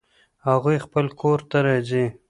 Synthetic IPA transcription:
haɣujxpəlkʰoɾt̪aɾɑzi

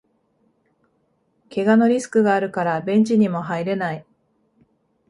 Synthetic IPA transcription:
ke̞ɡano̞ɾʲisɨ̥kɯ̟ɡaːɾɯ̟kaɾabẽ̞ɲt͡ɕiɲ̟imo̞ɦaiɾe̞nai

